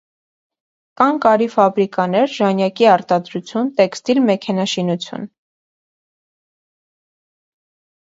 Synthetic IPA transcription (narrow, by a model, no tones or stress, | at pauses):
kɑŋkɑɾifɑbɾikɑnɛɾʒɑnjɑkiɑɾt̪ɑd̪ɾut͡sʰjunt̪ɛkst̪ilmɛkʰɛnɑʃinut͡sʰjṵn